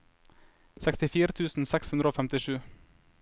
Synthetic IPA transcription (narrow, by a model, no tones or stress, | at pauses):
sɛkst̪ɪfiːɾət̪ʰʉːsn̩sɛkshʉnd̪ɾəoːfɛmt̪ɪʃʉː